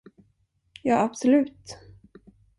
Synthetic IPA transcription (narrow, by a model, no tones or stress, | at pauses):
jɑːabsɔlʉ̟ːt̪